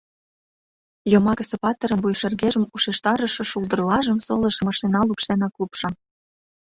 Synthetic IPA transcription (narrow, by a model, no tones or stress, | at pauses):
jomɑkə̆sĕpɑt̪ə̆ɾə̆nβujʃerɣeʒə̆muʃeʃt̪ɑɾə̆ʃɤ̆ʃuld̪ə̆rlɑʒə̆msolə̆ʃə̆mɑʃt̪enɑlupʃt̪enɑklupʃɑ